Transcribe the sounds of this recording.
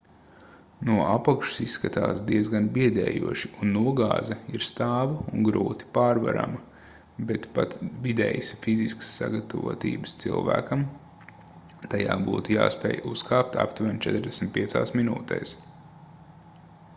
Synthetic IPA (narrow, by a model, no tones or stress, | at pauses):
nuɔʔapakʃu̥sisːkat̪aːsd̪iɛzɡanbiɛd̪ɛ̰ːjuɔʃiunːuɔɡa̰ːzɐiɾst̪aːvuŋɡɾuːt̪i̥paːɾva̰ɾa̰mɐ | bet̪pat̪vid̪ɛ̰ːjsfiziskə̥sːa̰ɡat̪ɐvṵɔt̪ḭːbə̥st̪sḭlˠvæ̰ːkɐm | t̪ajaːbuːt̪uja̰ːspɛ̰ːjuskaːp̚t̪ʰa̰pt̪vænt͡ʃɛt̪ɾd̪ɛsmʲt̪̚piɛt̪saːsminṵːt̪ɛ̰ːs